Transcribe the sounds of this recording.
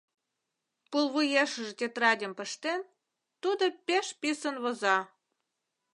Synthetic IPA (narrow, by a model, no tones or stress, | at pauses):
pulˠβujeʃəʒet̪ʲet̪rɑdʲə̆mpə̆ʃt̪en | t̪ud̪opeʃpisənβozɑ